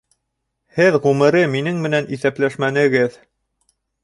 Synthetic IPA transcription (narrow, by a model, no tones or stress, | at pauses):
hɘðʁʉmɘ̆ɾɘminɘŋmɘ̆næniθæplæʃmænɘ̆ɡɘð